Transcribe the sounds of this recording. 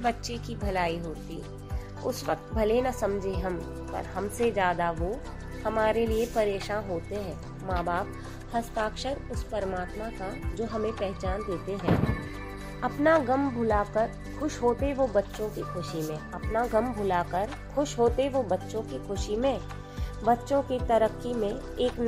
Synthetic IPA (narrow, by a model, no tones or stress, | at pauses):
bɐtːʃekibʱɐlaːiɦoːt̪i | ʊ̰sʋək̚t̪bʱɐlenasɐ̃md͡ʒʱeɦɐm | pɐ̰ɾhɐmsed͡ʒjaːd̪aʋo | hɐmaːɾeliepɐɾeːʃãːnɦoːt̪eɦɛ̃ː | maːbaːp̚ | hɐst̪aːkʃəɾʊspɐɾəmaːt̪makad͡ʒoːɦɐmẽpɛɦt͡ʃaːnd̪eːt̪eɦɛ̃ː | ɐpnaɡɐmbʱʊlakəɾ | xʊʃɦoːt̪eʋobɐtːʃõkixʰʊʃimẽɐpnaɡɐmbʱʊlakəɾ | xʰʊʃɦoːt̪eʋobɐtːʃõkixʰʊʃimẽ | bɐtːʃõkit̪ɐɾəkːimẽ | eːkn